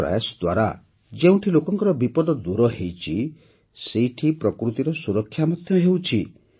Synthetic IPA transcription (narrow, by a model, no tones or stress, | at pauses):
ɾa̰jasd̪waɾa | d͡ʒeũʈʰilokɔŋkɔɾɔbipɔd̪ɔd̪uɾɔɦejt͡ʃʰi | sejʈʰipɾɔkɾut̪iɾɔsuɾɔkʰːjamɔd̪ʱjɔɦewt͡ʃʰi